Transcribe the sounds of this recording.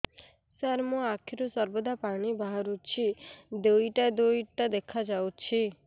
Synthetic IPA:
səɾmõakʰiɾusɔɾbɔd̪ʱapaɽ̃ibaɦɾut͡ʃʰid̪oiʈad̪oiʈʈ̪ad̪ekʰad͡ʒawt͡ʃʰi

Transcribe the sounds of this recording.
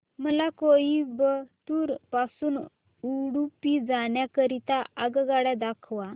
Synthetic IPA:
məlakojibət̪uːɾpasuːn | uɽupid͡zaɳjakəɾit̪aaɡəɡaɽad̪akʰʋa

